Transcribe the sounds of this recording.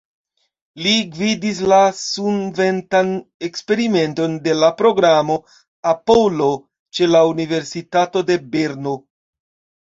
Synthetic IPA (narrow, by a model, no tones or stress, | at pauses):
liɡvidis̬lasunve̞ntanekspe̞ɾime̞nto̞nde̞lapɾo̞ɡɾamo̞ | apolo̞ | t͡ʃe̞launive̞ɾsitato̞de̞be̞ɾno